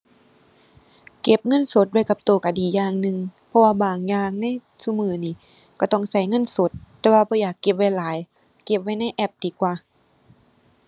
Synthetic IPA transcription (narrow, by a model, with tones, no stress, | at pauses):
ke˧˩p̚ŋɤ˧˥˨nso˨˦t̪̚wa˧˩jka˧˦p̚t̪oː˨˩ka˨˧˩diː˨˦jaː˧˩ŋnɯ˧ŋpʰɔ˧waː˧˩baː˨˩ŋjaː˧ŋna˧˥˨jsu˧˨mɯː˧˩niː˧˩˨ | ka˧˩t̪ɔ˧˩ŋsa˧˩jŋɤ˧˥˨nso˨˦t̪̚ːɛː˧waː˧bɔː˧˦jaː˨˩kːe˧˦p̚wa˧˩jlaː˨˦j | ke˧˩p̚va˧˩jna˧˥˨jʔɛ˧˩p̚diː˨˦kwaː˧˩